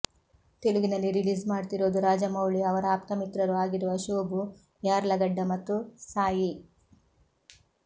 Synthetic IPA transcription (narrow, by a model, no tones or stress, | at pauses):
t̪eluɡinɐlːiɾiliːd͡ʒmaːɽt̪iɾoːd̪uɾaːd͡ʒɐmɐwɭiɐʋɐɾɐaːp̚t̪ɐmit̪ɾɐɾuaːɡiɾuʋɐʃoːbu | jaːɾlɐɡɐɖːɐmɐt̪ːusaːji